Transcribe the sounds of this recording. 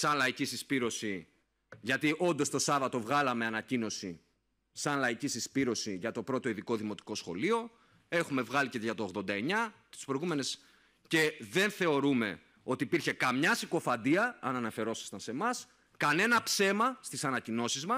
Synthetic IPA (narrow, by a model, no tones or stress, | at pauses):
sɐnlɐicisispiɾo̞si | ʝɐt̪iʔo̞nd̪o̞st̪o̞sɐvɐt̪o̞vɣɐlɐme̞ɐnɐcino̞si | sɐnlɐicisispiɾo̞siʝɐt̪o̞pɾo̞t̪o̞iðiko̞ðimot̪i̥ko̞sxo̞̰lio̞ | e̞xume̞vɣɐliceðʝɐt̪o̞ːɣðo̞nd̪ɐe̞ɲɐt̪i̥spɾo̞iɣume̞ne̞s | ce̞ðe̞nθe̞o̞ɾume̞ | o̞t̪iːpiɾçe̞kɐmɲɐsiko̞fɐnd̪iɐːnɐnɐfe̞ɾo̞sɐ̥st̪ɐnse̞mɐs | kɐne̞nɐpse̞mɐst̪isɐnɐcino̞sizmɐ